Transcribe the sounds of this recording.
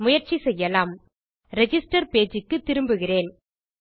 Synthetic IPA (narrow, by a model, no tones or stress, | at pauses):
mʊjɐɾt͡ʃisɛjːɐlaːm | ɾɛd͡ʒɪsʈɐɾpeːd͡ʒɪkːɯt̪ːɪɾɯmbɯɣɪreːn